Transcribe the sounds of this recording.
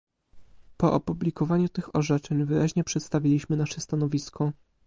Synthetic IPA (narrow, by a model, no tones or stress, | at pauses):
pɔʔa̰publʲikɔvaɲut̪ɘxɔʐɛt͡ʂɛɲvɘɾʔaʑɲɛpʂɛt̪st̪avʲilʲiɕmɘnaʂɛst̪anɔvʲiskʰɔ